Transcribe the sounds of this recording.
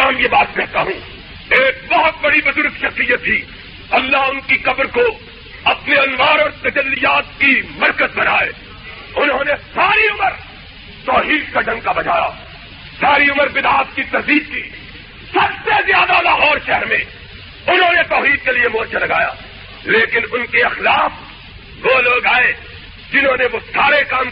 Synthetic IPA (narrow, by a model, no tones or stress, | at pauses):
aːmjebaːt̪kɛɦt̪aɦũː | eːk̚bɔɦʊt̪̚bɐɽibʊzʊɾɡʃɐxsijət̪ʰːi | ɐlːaʊnkiqɐbɾko | ɐpneɐnʋaːɾɔːɾt̪ɐd͡ʒɐlːijaːt̪kimɐɾkəzbɐnaːeː | ʊnɦõːnesaːɾiʊməɾ | t̪ɔːɦiːd̪̚kaɖʱɐ̃ŋkabɐd͡ʒaːja̰ː | saːɾiʊməɾbɪd̪aːt̪kit̪ɐzd̪iːd̪̚kiː | sɐbsezjaːd̪aːd̪aɦɔːɾʃɛɦɾmẽ | ʊnɦõːnet̪ɔːɦiːd̪̚keliemɔːt͡ʃalɐɡaːja̰ː | leːkɪnʊnkeɐxlaːf | ʋoːloːɡaːe | d͡ʒɪnɦõːneʋosaːɾekaːm